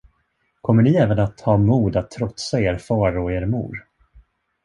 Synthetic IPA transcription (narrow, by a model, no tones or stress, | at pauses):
kʰɔmːəɳɪɛːvənat̪hɑːmuːd̪at̪ʰːɾɔt̪saeːɾfɑːɾɔeːɾmṵːɾ